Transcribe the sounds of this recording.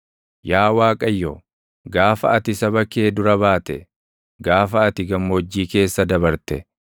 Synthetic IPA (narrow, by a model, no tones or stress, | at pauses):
jaːwaːkʼɐjːo̰ | ɡaːfɐɐt̪ɪsɐbɐkːe̞ːd̪ʊɾɐβaːt̪ɛ̰ | ɡaːfɐːɐt̪ɪɡɐmːod͡ʒːiːke̞ːsːɐd̪ɐbɐɾt̪ɛ